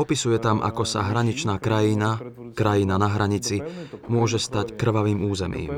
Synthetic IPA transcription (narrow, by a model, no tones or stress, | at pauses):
ɔpisujɛt̪amʔa̰kɔsa̰ɦɾaɲit͡ʃnaːkɾajina | kɾajinanaɦɾaɲit͡simʊɔʒɛst̪ackr̩ʋaʋiːmuːzɛmḭːm